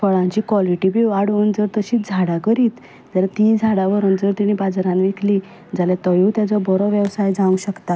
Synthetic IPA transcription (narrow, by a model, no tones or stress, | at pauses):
fəɭãɲt͡ɕiːkʋɔliʈibiʋaɽʋond͡zəɾt̪əɕiːd͡zʱaɽakəɾiːt̪ | d͡zəɾat̪id͡zʱaɽaʋəɾənd͡zəɾt̪iɽ̃ibad͡zaɾanʋikʰli | d͡zaljat̪ɔjuːt̪jat͡sɔbɔɾɔʋjəʋsajd͡zãũɕəkt̪a